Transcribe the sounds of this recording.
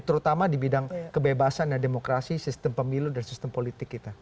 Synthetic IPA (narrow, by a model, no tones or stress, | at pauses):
t̪əɾut̪amadibidaŋkəbebasanjademokɾasisist̪əmpəmiludansist̪əmpolit̪ɪkːit̪a